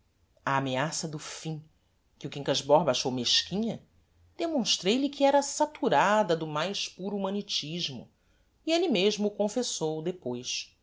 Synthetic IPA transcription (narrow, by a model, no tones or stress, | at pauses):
ɐːmeasɐd̪ʊfĩ | kɪukĩŋkaʒbɔhbaʃowmeʃkĩɲɐ | d̪̥emõʃt̪ɾejlikɪɛɾɐsat̪uɾad̪ɐd̪ʊmajʃpuɾuumɐ̃nit͡ʃiʒmʊ̰ | ielimeʒmʊkõfesowd̪epojʃ